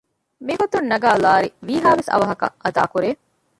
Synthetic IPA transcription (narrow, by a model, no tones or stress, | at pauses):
miɦot̪unːɐɡaːlaːɾiʋiːɦaːʋesɐ̰ʋɐɦɐkɐ̰ʔɐd̪a̰ːkuɾeː